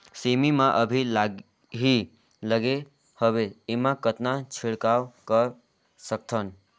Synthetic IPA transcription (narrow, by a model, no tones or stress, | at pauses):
semimãʔəbʱilaɡ | ɦi | ləɡe | həbeemãkət̪nat͡ʃʰiɽkawkəɾ | sək̚t̪ʰən